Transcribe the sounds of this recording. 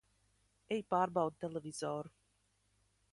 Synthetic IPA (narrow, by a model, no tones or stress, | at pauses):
ejpaːɾbawd̪̚t̪elˠevʲiz̥ɔːɾu